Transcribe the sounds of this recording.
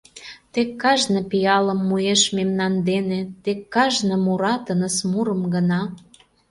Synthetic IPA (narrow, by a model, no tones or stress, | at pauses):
t̪ekːɑʒnəpijɑlə̆mːujeʃmemnɑnd̪enĕt̪ekːɑʒnə̆muɾɑt̪ənəsmuɾə̆mɡə̆nɑ